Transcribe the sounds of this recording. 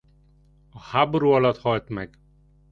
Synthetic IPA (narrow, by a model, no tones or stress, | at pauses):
ɒhaboɾuɒlɒt̪hɒlt̪mɛɡ